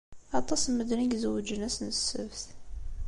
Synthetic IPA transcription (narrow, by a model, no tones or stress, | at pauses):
ɑt̪ˤɑsməd̪niɡzəwd͡ʒənæsnəsːə̰vθ